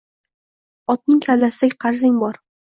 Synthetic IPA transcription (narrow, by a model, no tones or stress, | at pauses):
ɒt̪̚nɪŋkʲʰald̪asɪd̪akʲqʰɑɾzɪŋbɒɾ